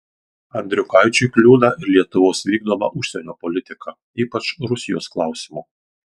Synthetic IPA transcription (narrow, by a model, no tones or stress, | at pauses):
ɐnʲd̪ʲɾʲʊkɐɪt͡ʃʲʊɪklʲuːd̪ɐʔɪɾlʲiɛt̪ʊʋoːsʋʲiːɡ̚d̪oːʋɐ̰ʔʊʃʲsʲɛnʲoːpɔlʲɪt̪ʲɪkʰɐ | iːpɐt͡ʃɾʊsʲɪjoːsklˠɑˑʊsʲɪmu